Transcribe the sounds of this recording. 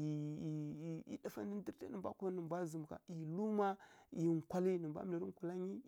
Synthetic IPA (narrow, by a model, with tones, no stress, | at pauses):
ḭ˨da˨fa̰˦ndi˦n˦di˦ɾta̰˦nə˨mbʷa̰˦ku˦nə˨bʷa˦zə˨m˨ka̰˨i˨lu˦ma˦˨i˨ŋ˨kʷa˦li˦nə˨mbʷa̰˦m˨la˨ɾi˦ŋ˨ka˨la˦ɲi˦